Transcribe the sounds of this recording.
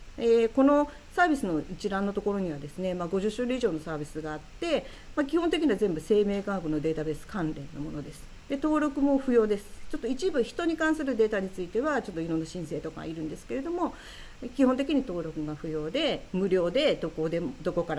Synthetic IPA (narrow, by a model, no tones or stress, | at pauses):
eːko̞no̞ | saːbʲisɨno̞it͡ɕiɾãnːo̞t̪o̞ko̞ɾo̞ɲ̟iβad̪e̞sɨne̞maɡo̞ʑɨɕɨɾɯ̟iʑo̞ːno̞saːbʲisɨɡaːt̪ːe̞ | mak̬ʲihõnt̪e̞kʲiɲiβazẽ̞mbɯ̟se̞ːme̞ːkaːɡono̞d̪e̞ːt̪abe̞sɨ̥kãnɾẽ̞nːo̞̰mo̞no̞d̪e̞sɨ̥ | d̪̥e̞t̪o̞ːɾo̞kɯ̟mo̞ɸɯ̟jo̞ːd̪e̞sɨ̥t͡ɕo̞t̪ːoit͡ɕibɯ̟çi̥t̪o̞ɲ̟ikãɰ̃sɨɾɯ̟d̪e̞ːt̪aɲ̟it͡sɨit̪e̞βat͡ɕo̞t̪ːoiɾõ̞nːaɕĩɰ̃se̞ːt̪o̞ka̰a̰iɾɯ̟̃nd̪e̞sɨ̥ke̞ɾe̞d̪o̞mo̞ | kʲiho̞nt̪e̞kʲiɲ̟it̪o̞ːɾʲo̞kɯ̟ɡaɸɯ̟jo̞ːd̪e̞mɯ̟ɾʲo̞ːd̪e̞d̪okod̪e̞mod̪o̞ko̞kaɾa